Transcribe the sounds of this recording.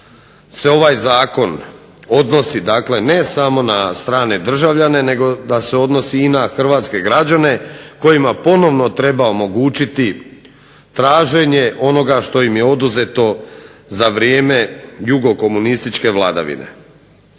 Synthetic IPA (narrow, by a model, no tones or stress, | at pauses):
se̞o̞ʋajzaːko̞n | o̞d̪no̞sid̪aːkle̞ne̞samo̞nast̪ɾaːned̪r̩ʒaʋʎane̞ne̞ɡo̞d̪ase̞o̞d̪no̞siːnaxr̩ʋaːt̪ske̞ɡɾad͡ʑane̞ko̞jimapo̞no̞ʋno̞t̪ɾe̞bao̞mo̞ɡuːt͡ʃit̪i | t̪ɾaːʒe̞ɲe̞ʔo̞no̞ɡaʃt̪o̞imjeo̞d̪uze̞t̪o̞zaʋɾijeːme̞juɡo̞ko̞munist̪it͡ʃke̞ʋlad̪a̰ʋḭnḛ